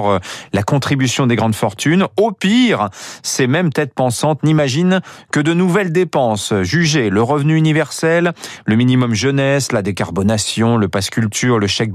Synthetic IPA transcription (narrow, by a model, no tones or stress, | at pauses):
ʁlakɔ̃t̪χibysjɔ̃d̪eɡʁɑ̃d̪fɔʁt̪ynopiʁsemɛmt̪ɛt̪̚pɑ̃sɑ̃t̪nimaʒinkəd̪ənuvɛld̪epɑ̃sʒyʒeləʁəvnyːnivɛʁsɛlːəminimɔmʒənɛslad̪ekaʁbɔnasjɔ̃ləpaskʲylt̪ʰyʁləʃɛk̚